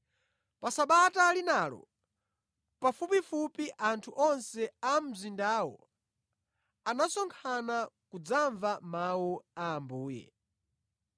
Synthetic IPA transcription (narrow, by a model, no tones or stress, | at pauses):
pasaɓatalinalɔ̰ | pafupifupiʔantʰuʔɔnsɛam̩zindaːwɔ̰ | anasɔŋkʰanakud͡zaɱvamawuaːmbuːjɛ̰